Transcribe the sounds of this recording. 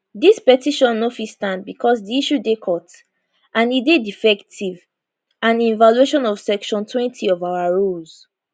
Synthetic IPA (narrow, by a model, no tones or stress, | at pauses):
dispɛtiʃɔ̃nːofistãnd̚bikʰɔsdiiʃudekʰɔt | ʔãnidedifɛktʰiv | ãnĩnvalueʃɔ̃nɔv̥sɛkʃɔ̃ntʰwɛ̃ntʰiɔvaʊaɹolz̥